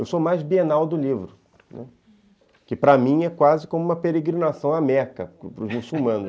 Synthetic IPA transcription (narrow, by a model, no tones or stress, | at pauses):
ewsomajzbienawd̪ʊlivɾʊ | nʔɛ̰ | kɪpɾɐmĩj̃ɛkwazɪkõmʊũmɐpeɾeɡɾinasɐ̃w̃amɛɾkɐʊpɾʊzmusuwmɐ̃nʊ